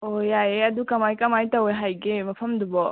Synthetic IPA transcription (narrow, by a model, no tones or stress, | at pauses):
ojajeɐdukɐmajkɐmajtaweɦajɡemɐpʰɐmdubɔ